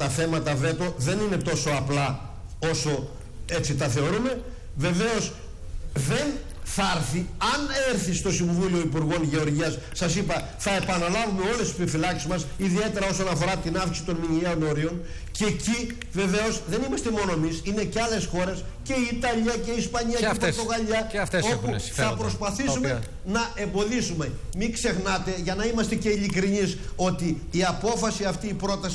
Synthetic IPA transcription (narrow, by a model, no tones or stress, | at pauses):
t̪ɐθe̞mɐt̪ɐve̞t̪o̞ðe̞nine̞t̪o̞so̞ɐplɐ | o̞so̞ | e̞t͡sit̪ɐθe̞o̞ɾume̞ | ve̞ve̞o̞s | ðe̞n | θɐɾθiɐneɾθist̪o̞siɱvulio̞ipuɾɣo̞nʝe̞o̞ɾʝiɐsːɐsipɐ | θɐe̞pɐnɐlɐvumeo̞lessipifilɐksizmɐsiðie̞t̪e̞ɾɐo̞sonɐfo̞ɾɐt̪inɐfkisit̪o̞nmiɲieo̞no̞ɾio̞n | ceci | ve̞ve̞o̞sðe̞nimɐst̪e̞mo̞no̞emisine̞ceɐle̞sxo̞ɾe̞s | ce̞iːt̪ɐʎiɐce̞ispɐɲiɐɾt̪ot̪oɣɐʎɐfesopuθɐpɾo̞spɐθissume | nɐe̞mbo̞ðisume̞ | mikse̞xnɐt̪e̞ʝɐnɐimɐst̪e̞ce̞ilikɾiniso̞t̪iː | ɐpo̞fɐsiɐft̪iːpɾo̞t̪ɐs